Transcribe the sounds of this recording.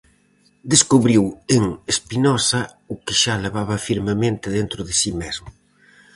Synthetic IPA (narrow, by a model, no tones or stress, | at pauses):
d̪eskuβɾiweŋespinɔsɐ | ʊkɪʃaleβ̞aβɐfiɾmemẽnt̪ɪðent̪ɾʊðɪsimezmʊ